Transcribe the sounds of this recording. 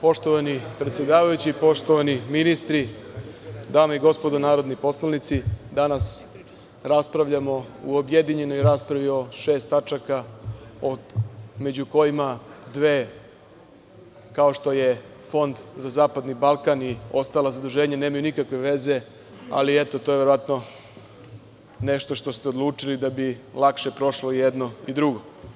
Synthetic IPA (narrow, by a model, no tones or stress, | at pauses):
po̞ʃt̪oʋanipɾe̞t̪sjed̪aːʋajut͡ɕipo̞ʃt̪o̞ʋaniminist̪ɾi | d̪aːmaiɡo̞spod̪onaːɾo̞d̪nipo̞slanit̪sid̪anas | ɾaspɾaʋʎamo̞uobjed̪iɲe̞nojɾaspɾaʋio̞ʃe̞ːst̪at͡ʃakaome̞d͡ʑuko̞imad̪ʋeː | kao̞ʃt̪o̞je | fo̞nd̪zazaːpad̪nibalˠkanio̞st̪aːlazad̪uʒe̞ːɲaneːmajunikakʋeʋe̞ze̞ | a̰liet̪o̞t̪oje̞ʋe̞ɾoʋat̪no̞ | ne̞ʃt̪o̞ʃt̪o̞st̪eod̪lˠuːt͡ʂilid̪abilˠakʃe̞pɾo̞ʃlo̞jed̪no̞id̪ɾuɡo̞